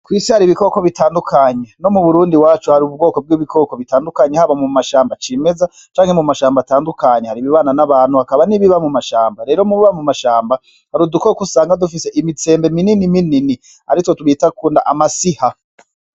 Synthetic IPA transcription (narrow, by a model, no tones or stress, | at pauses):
kwiːsihaɾiβiko̞koβitʰaːndukʰaɲe̞no̞muβuɾuːndiwaːt͡ʃuhaɾiub̚ɡo̞ːko̞b̚ɡiβikʰo̞ko̞βitaːndukaɲehaβamumaʃaːmbat͡ʃime̞za | t͡ʃaːŋhemumaʃaːmbataːndukaɲehaɾiβiβaːnanaβaːnhuhakaβaniβiβamumaʃaːmbaɾe̞ːɾo̞muβiβamumaʃaːmba | haɾudukokusaːŋɡadufise̞ʔimit͡se̞ːmbe̞mininiminini | aɾitotuβitakuːndaʔamasiha